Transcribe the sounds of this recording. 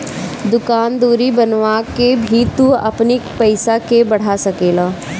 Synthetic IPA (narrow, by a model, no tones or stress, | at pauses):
d̪ʊkaːnd̪uːɾibɐnʋaːkebʱit̪uɐ̰pnipɐɪsakebɐɽ̤asɐkeːlaː